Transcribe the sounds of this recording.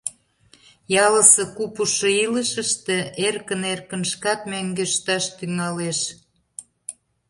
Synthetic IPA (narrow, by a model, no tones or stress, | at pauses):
jɑlə̆sɤ̆kupuʃŏiləʃəʃt̪ĕerkənerkə̆nʃkɑt̪mæŋɡøʃt̪ɑʃt̪yŋɑleʃ